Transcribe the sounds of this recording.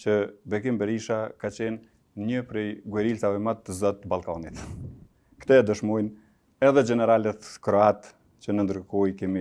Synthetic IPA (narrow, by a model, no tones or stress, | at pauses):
t͡ɕəbɛkimbɛɾiʃakat͡ɕɛn | ɲəpɾɛjɡwuɛɾilt͡savɛmatt̪ːəzɔt̪ːbalˠkanit̪ | kt̪ɛd̪əʃmɔjn | ɛðɛd͡ʒɛnɛɾalɛt̪kɾɔat̪ | t͡ɕənənd̪ɾəkɔjkɛmi